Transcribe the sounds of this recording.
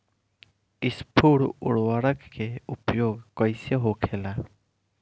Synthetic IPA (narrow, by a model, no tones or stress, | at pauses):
ɪspʰuɽʊ̰ɽwaɽəkːeupjoːɡkʌjseɦokʰela